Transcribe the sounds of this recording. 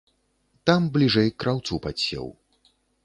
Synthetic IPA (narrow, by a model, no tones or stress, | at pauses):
t̪amblʲiʐɛjkɾʔawt̪supat͡sʲsʲɛ̰w